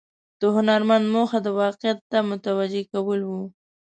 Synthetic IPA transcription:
d̪̥əɦʊnaɾmand̪moxad̪əwɑqɪjat̪ːamʊt̪awad͡ʒekawəlwu

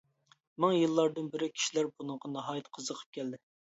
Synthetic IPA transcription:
mæŋjɨlˠːɑɾd̪ɨnbɪɾɪkʲʰi̥ʃilæɾbunɨŋʁɑnɑɦɑːjɛt̪qʰəzəqʰə̥p̚kʲʰɛld̪ɪ

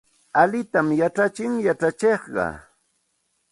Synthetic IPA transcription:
alɪt̪amjaʈ͡ʂat͡ʃɪŋjaʈ͡ʂat͡ʃeχɢɑ̰

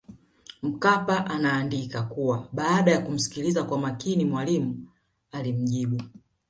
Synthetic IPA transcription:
m̩kapaʔanaːndikakuwaɓaːɗajakum̩si̥kilizakwamakinimwalimu | alim̩ʄiɓu

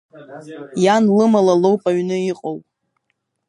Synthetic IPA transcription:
janlɨmalalowpʼaɥnɨiqʼowpʼ

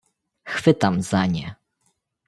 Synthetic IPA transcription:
xfɘt̪amz̥aɲɛ

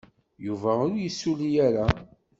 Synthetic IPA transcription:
juvæʊɾjəsːulijæɾa

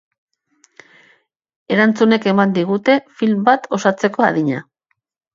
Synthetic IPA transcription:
e̞ɾant͡sune̞ke̞mand̪iɣ̞ut̪e̞filmbat̪o̞sat͡se̞ko̞a̰ðiɲa̰

